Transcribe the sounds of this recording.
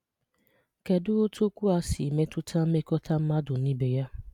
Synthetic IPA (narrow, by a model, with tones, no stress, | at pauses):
ke˨dʊ˦o˦to˦kʷu˦a˦sɪ˨me˦tʊ˦tʰa˦m̩˦me˦kɔ˦tʰa˦m̩˦ma˦dʊ˨ni˦be˨ja˦